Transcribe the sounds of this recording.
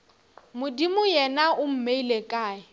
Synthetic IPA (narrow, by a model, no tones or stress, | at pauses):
mʊdimʊjɛnaʔʊm̩meilekʼaːɪ